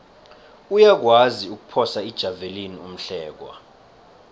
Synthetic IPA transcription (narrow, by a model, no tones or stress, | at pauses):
ujak̬waziuk̬u̥pʰɔsaid̥ʒ̥ʱavelinium̩ɬɛːk̬wa̰